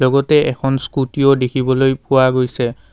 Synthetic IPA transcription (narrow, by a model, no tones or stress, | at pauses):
lɔɡɔtɛɛkʰɔnskutijɔdekʰibɔlojpʊwaɡojsɛ